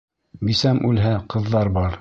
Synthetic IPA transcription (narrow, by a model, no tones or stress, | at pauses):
bisæmʔʉlɦæqɤ̆ðːɑɾbɑɾ